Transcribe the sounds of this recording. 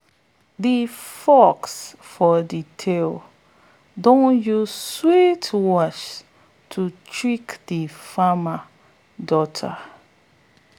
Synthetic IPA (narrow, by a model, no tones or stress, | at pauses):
difɔks | fɔditʰel | dõnjuzswitwɔt͡ʃ | tʰutʰɹikdifama | dɔtʰa̰